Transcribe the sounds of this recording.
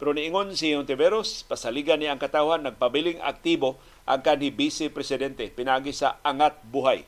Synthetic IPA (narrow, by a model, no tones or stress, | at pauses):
pɛɾoniɪŋonsiont̪ɪbɛɾospasaliɡanːiʔaŋkat̪awhanːaɡ̚pabilɪŋa̰k̚t̪ibo | ʔa̰ŋkanhibisɪpɾɛsɪd̪ɛnt̪ɛpɪnaʔaːɡisa̰ʔaŋat̪̚buɦaj